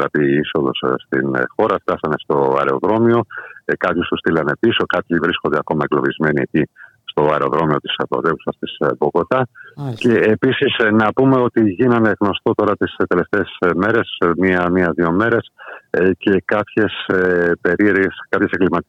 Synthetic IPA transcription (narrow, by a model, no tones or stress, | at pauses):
ɾɐp̪iiso̞ðo̞̰sst̪ḭn̰xo̞ɾɐft̪ɐsɐne̞st̪o̞ɐ̰ɾe̞o̞ðɾo̞mio̞kɐpçust̪ust̪ilɐne̞piso̞kɐpçivɾiskond̪e̞ɐko̞mɐeɡlo̞vizme̞nieci | st̪o̞ɐɾeo̞̰ðɾo̞mio̞t̪i̥spɾo̰t̪evusɐst̪isboko̞t̪ɐce̞ːpisisnɐpume̞o̞t̪iʝinɐneɣno̞st̪o̞t̪o̞ɾɐt̪ist̪e̞le̞ft̪e̞ːsme̞ɾe̞smiɐmiɐðio̞me̞ɾe̞sce̞kɐpçe̞spe̞ɾie̞ɾʝeskɐpçe̞seŋɡlimɐt̪